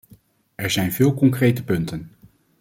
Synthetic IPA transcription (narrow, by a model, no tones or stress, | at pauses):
ɛɹzɛjnvɪːlˠkɔŋkrejtəpɵntən